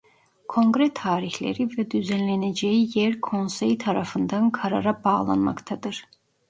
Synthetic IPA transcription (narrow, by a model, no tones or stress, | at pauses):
kʰo̞ŋɡɾɛt̪ʰaːɾiçlʲḛɾivɛd̪yzænlʲened͡ʒejijɛɾkʰo̞nsejt̪ʰaɾafɯnd̪ankʰaɾa̰ɾabaːlˠa̰nma̰kt̪ʰad̪ɯɾ̥